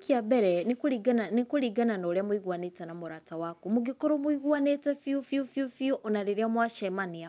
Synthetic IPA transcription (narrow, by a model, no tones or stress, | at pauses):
kiabɛɾɛnekuɾiɡananekuɾiɡananoɾeamwiɣwanetanamoɾatawakumuɡikoɾomuiɣwanetɛfiufjufjufioʔɔnaɾeɾeamwaʃɛmania